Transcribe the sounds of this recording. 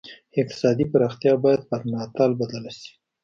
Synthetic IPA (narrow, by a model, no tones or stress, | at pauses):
ɪq̚t̪ɪ̥sɑd̪ipaɾɑxt̪jɑbɑjad̪̚pəɾnɑt̪ɑlbad̪alaʃi̥